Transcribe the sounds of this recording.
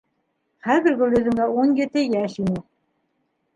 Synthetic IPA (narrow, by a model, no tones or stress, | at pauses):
χæðɘ̆ɾɡɵ̆lːɵ̆ðɘ̆ŋɡæunjɘ̆t̪ɘjæʃinɘ